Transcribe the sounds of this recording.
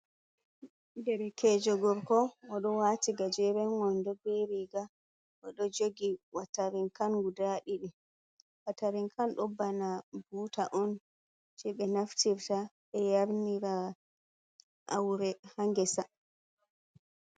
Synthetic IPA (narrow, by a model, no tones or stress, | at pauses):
dɛɾɛkɛd͡ʒɔɡɔɾkɔɔɗɔwatiɡad͡ʒɛɾɛnŋɔndɔbeɾiɡa | ʔɔɗɔd͡ʒoɡiwataɾiŋkanɡudaɗiɗɛ | wataɾiŋkʰanɗɔbːanabuːtaʔɔn | t͡ʃɛɓɛnaftiɾtaɓɛjaɾniɾa | ʔa̰wɾɛhaŋɡɛsa